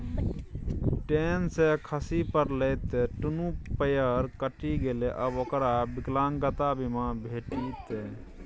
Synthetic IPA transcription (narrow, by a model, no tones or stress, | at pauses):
ʈensekʰəsipəɾlet̪ːeʈunukpəjəɾkəʈiɡeleʔəbokɾabiklaŋɡət̪abimãbʱeːʈit̪ːe